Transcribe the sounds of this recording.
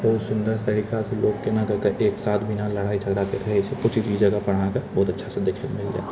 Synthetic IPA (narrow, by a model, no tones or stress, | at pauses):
bɐɦʊt̪sʊ̃nd̪əɾst̪ɐɾiːkaseloːɡkenakɐɾkeʔeːksaːt̪ʰbʱɪnalɐɽ̤aːid͡ʒʰɐɡɾak̪eɾɐɦesekʊt͡ʃʰid͡ʒid͡ʒɐɡapɐɽ̤akəbɔːʊt̪ɐtːʃʰased̪eːkʰət̪mɪld͡ʒa̰ːe